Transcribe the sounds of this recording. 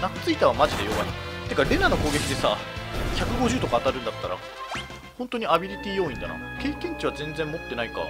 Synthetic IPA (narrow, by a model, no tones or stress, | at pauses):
nat͡sɨit̪aβamaʑid̪e̞jo̞βa̰nḭt̪ːe̞kaɾenano̞ko̞ːɡe̞kʲid̪e̞saçakɯ̟ɡo̞ʑɨːt̪o̞kaːt̪aɾɯ̟̃nd̪at̪ːaɾa̰ | hõnt̪o̞ɲ̟iabʲiɾʲit̪ʲiːjo̞ːĩnd̪a̰na̰ | ke̞ːkẽ̞ɲ̟t͡ɕiβ̞azẽ̞nd͡zẽmmo̞t̪ːe̞naika̰